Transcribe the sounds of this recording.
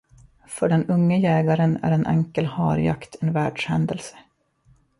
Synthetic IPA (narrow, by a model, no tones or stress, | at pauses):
fœɖɛnɵŋːəjɛːɡaɾənæ̰ɾɛnʔɛ̰ŋkəlhɑ̰ːɾja̰kt̪ʰɛnvæːɖʂhɛnd̪əlsə̥